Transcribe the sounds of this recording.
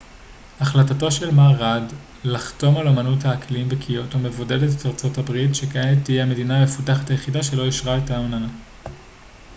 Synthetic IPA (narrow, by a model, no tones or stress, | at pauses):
aχlatato̞ʃe̞lmaʁad | laχto̞malomanuthaːkliimbekʰijo̞tome̞vo̞de̞detetaʁt͡so̞thabʁitʃe̞kaenetːijeame̞diname̞futaχataje̞χidaʃe̞lo̞iʃʁaetaonana